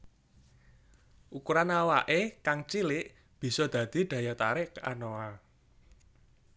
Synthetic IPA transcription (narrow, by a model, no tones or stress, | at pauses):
ʔukuɾanawaʔekaŋt͡ʃilɪʔ | b̥i̤sɔd̪̥ä̤d̪̥i̤ɖ̪̥ä̤jat̪aɾɪka̰noa